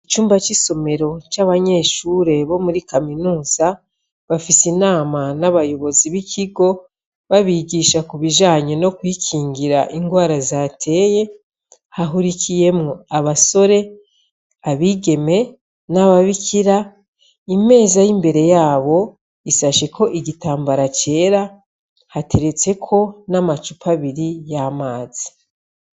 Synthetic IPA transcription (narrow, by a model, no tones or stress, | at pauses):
it͡ʃuːmbat͡ʃiso̞me̞ɾo̞t͡ʃaβaɲe̞ːʃuːɾe̞βo̞muɾikaminuːz̥a | βafisinaːmanaβajo̞βo̞ziβikʰiɡo̞ | βaβiɡiːʃakuβiʒaːɲeno̞kwiːkʰiːŋɡiɾaʔiŋɡwaːɾazatʰe̞ːje̞ | haɦuɾikʰije̞mŋoaβaso̞ɾe̞ | aβiːɡe̞me̞ | naβaβikʰiɾa | ime̞ːzajimbe̞ɾe̞jaːβo̞ | isaʃe̞kʰo̞ʔiɡitaːmbaɾat͡ʃe̞ɾa | hate̞ɾe̞t͡se̞kʰo̞namat͡ʃupʰaβiɾijamaːz̥i̥